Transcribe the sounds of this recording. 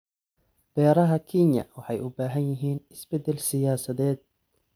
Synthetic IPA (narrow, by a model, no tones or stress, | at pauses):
b̥ɛːɾɐɦɐkʰinjɐ̰wɑħɑjʔʊbaːɦɐnjɪɦiːnɪsbɛd̪ːɛlsɪjaːsɐðɛːd̪̚